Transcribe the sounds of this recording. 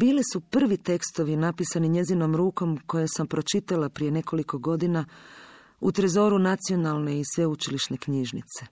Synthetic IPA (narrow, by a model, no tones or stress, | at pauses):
biːlisupr̩ʋit̪e̞kst̪o̞ʋinapisaniɲe̞zino̞mɾuːko̞mko̞jesampɾo̞t͡ʃit̪alapɾije̞ne̞ko̞liko̞ɡo̞d̪ina | ut̪ɾe̞zo̞ːɾunat̪sio̞nalˠne̞isʋe̞ut͡ʃiliʃne̞kɲiʒnḭt̪se̞